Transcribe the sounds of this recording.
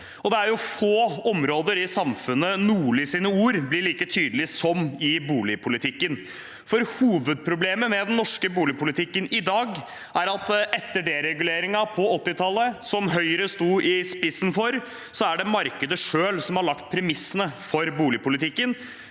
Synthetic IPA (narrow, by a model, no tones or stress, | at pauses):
ɔd̪ɛæɾjʊfoːɔmɾoːd̪əɾɪsɑmfʉnːənuːlɪsiːnəuːɾblɪɭiːkət̪ʰyːd̪əl̩ɪsɔmɪbuːlɪpʰʊlɪt̪ʰɪkːən | fɔɾhuːʋəd̪̚pʰɾʊbleːməmɛd̪ɛnnːɔʂkəbuːlɪpʰʊlɪt̪ʰɪkːənɪd̪ɑːɡ | æɾɑt̪ʔɛt̪ːəɖeɾɛɡʉleːɾɪŋɑpʰɔɔt̪ːɪt̪ʰɑlːəsɔmɦœʏəɾəst̪uːɪspɪsːənfɔɾ | sɔæɖɛmɑɾkəd̪əʂøːlsɔmhɑɭɑkt̪̚pʰɾɛmɪsːənəfɔɾbuːlɪpʊlɪt̪ʰɪkːən